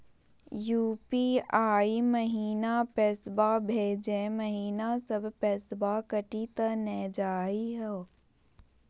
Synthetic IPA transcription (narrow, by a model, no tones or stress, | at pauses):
juːpiaːiməɦiːnapɛːsbabʱeːd͡ʒẽməɦiːnasəbʱpɛːsbakəʈit̪ənɛːd͡ʒaːiɦɛ